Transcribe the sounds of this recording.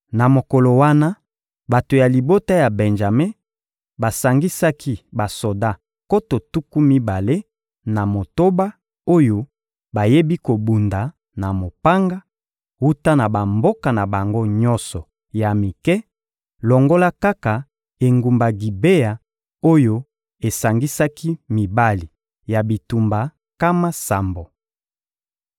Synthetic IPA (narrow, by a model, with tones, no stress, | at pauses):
na˨mo˨ko˨lo˨wa˦na˦ | ba˨to˨ja˨li˨bo˦ta˦ja˨bɛ˨nʒa˨me˦ | ba˨sa˨ŋɡi˦sa˦kʰi˦ba˨so˨da˦˨ | ko˦to˨tu˦ku˦mi˦ba˨le˦ | na˨mo˨to˦ba˦ | o˦jo˦ | ba˨je˦bi˦ko˨bu˨nda˨ | na˨mo˨pa˦ŋɡa˦ | wu˦ta˦na˨ba˨mbo˦ka˨na˨ba˨ŋɡo˦ɲɔ̃˦nsɔ˨ | ja˨mi˨kɛ˦ | lɔ˨ŋɡo˦la˦ka˦ka˨ | e˨ŋɡu˨mba˨ɡi˨be˦ja˨ | o˦jo˦ | e˨sa˨ŋɡi˦sa˦ki˦mi˨ba˦li˨ | ja˨bi˨tu˨mba˨ | ka˦ma˦sa˨mbo˨